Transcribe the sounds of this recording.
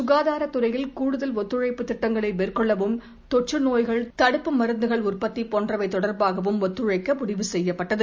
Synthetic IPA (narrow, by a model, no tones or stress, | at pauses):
sʊɣaːðaːɾɐt̪ːɯrɐjɪlkuːɽʊðɐlɔt̪ːɯɻɐɪpːɯt̪ːɪʈːɐŋɡɐɭɐɪʋeːrkɔɭːɐʋɯm | t̪ɔʈ̚t͡ʃːɯnoːjɣɐɭt̪ɐɽɯpːɯmɐɾɯnd̪ɯɣɐɭʊrpɐt̪ːipɔːndrɐʋɐɪt̪ːɔɽɐɾbaːɣɐʋɯmɔt̪ːɯɻɐɪkːɐpʊɽɪʋɯsɛjːɐpːɐʈːɐðɯ